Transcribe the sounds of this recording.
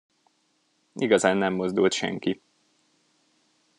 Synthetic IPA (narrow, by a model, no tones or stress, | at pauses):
ʔiɡɒzaːnːɛmːo̞zd̪ult̪ʃɛ̰ŋki